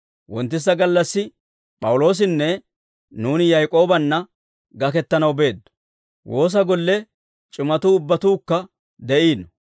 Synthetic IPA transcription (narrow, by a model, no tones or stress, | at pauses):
wɔnt̪ːɪs̬ːɐɡɐlːɐsːɪ | pʼɐwʊlo̞ːs̬ɪnːɛ | nuːnɪjɐjkʼo̞ːbɐnːɐ | ɡɐkɛt̪ːɐnɐwbe̞ːd̪ːʊ̥ | wʔo̞ːs̬ɐɡɔlːɛ | t͡ʃʼɪmɐt̪uːʊbːɐt̪uːkːɐ | d̪ɛʔiːnɔ